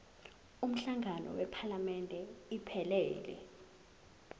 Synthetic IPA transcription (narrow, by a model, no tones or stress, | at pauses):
um̩ɬaŋanɔ̰wɛpʰalamɛntʼɛipʰɛlɛːlɛ̰